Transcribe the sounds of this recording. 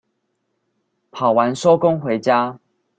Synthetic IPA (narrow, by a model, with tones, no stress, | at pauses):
pʰɑ˨˩ʊwa˨˦nso˦ʊkʊ˦ŋxwe˨˦ɪt͡ɕja˦